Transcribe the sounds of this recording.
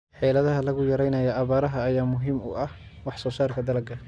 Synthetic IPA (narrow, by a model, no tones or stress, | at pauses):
ħɛlɐðɐɦɐlɐɣʊjɐɾɛjnɐjɐʔɐβaːɾɐɦɐːjaːmʊɦiːmʊ̰ʔɐh | wɑħsɔːsaːrkʰɐd̪ɐlɐɡʰɐ